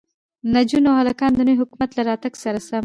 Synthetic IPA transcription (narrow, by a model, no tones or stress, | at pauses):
nad͡ʒunawhalakɑnd̪ənəwɦʊkmat̪laɾɑt̪aɡsaɾasam